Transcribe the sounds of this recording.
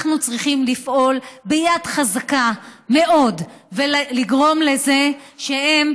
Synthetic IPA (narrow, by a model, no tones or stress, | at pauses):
nut͡sʁiχimlifʔo̞lbejadχazakame̞ʔo̞dveliɡʁo̞mle̞ze̞ʃehem